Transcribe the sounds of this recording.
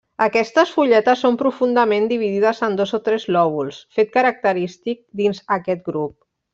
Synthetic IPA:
əkɛst̪əsfuʎɛt̪əsːompɾufund̪əmend̪iβ̞iðiðəzənd̪ozot̪ɾɛzlɔβ̞ulˠsfet̪̚kəɾək̚t̪əɾist̪ik̚d̪inzəkɛt̪ɡɾup̚

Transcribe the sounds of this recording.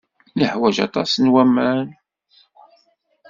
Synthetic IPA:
ləħwæʒɑ̰t̪ˤɑsnwæmæn

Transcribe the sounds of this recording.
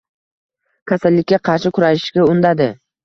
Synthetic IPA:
kʲʰasalːɪkʲːaqʰɑɾʃɪkʰʊɾaʃɪ̥ʃɡʲaʊnd̪ad̪ɪ

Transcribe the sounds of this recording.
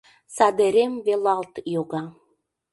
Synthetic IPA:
sɑd̪eɾemvelɑlt̪joɣɑ

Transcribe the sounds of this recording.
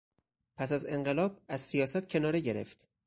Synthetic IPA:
pʰæsæze̞ŋɢelɒːb̚æzsijɒːsæt̪cʰe̞nɒːɾeɟe̞ɾḛft̪

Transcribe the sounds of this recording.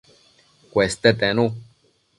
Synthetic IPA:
kʷest̪et̪enũ

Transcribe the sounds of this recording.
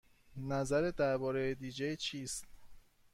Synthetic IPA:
næzæɾed̪æɾbɒːɾejed̪iːd͡ʒejt͡ʃʰiːst̪̚

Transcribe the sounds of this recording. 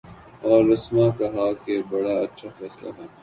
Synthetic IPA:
ɔːɾːɐsmãkɐɦakebɐɽaɐtːʃʰafɛːsla̰ɦɛː

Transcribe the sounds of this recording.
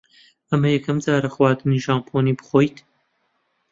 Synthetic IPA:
ɐmɐjɛkʰɐmd͡zaːɾɐxwaːd̪ɨniːʒaːmpʰoːniːbɨ̥χoːjt̪

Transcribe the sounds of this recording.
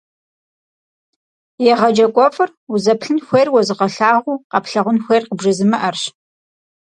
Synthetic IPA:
jɛʁɐd͡ʒɐkʷʼɔfʼɨruzɐpɬɨnxʷejrwɔzɨqɐɬaːʁʷuːqɑpɬɐʁʷʊnxʷejrqəbʒɐzɨmɐʔɐrɕ

